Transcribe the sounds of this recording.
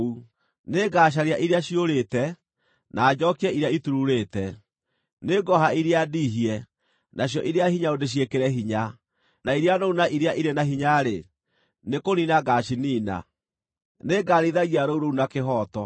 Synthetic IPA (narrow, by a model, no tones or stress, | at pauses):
u | neɡaːʃ̬aɾjaʔiɾeaɕioɾetɛ | naːd͡ʑɔkiɛiɾeaituɾuɾeːtɛ | neɡɔɦaiɾeadiɦiɛ | nʔaɕjɔʔiɾeahiɲaodeɕ̬iekeɾɛɦiɲa | naiɾeanounaʔiɾeaʔiɾenaɦiɲaɾe | nekoninaɡaʃiniːna̰ | neɡaɾiðaɣiaɾouɾounakeɦɔːtɔ